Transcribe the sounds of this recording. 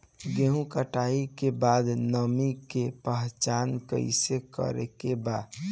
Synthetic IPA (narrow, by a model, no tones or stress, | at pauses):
ɡeɦũkəʈaikebaːd̪nəmikepəɦt͡ʃaːnkə̰ɪ̰sekə̰ɾḛkebaːd̪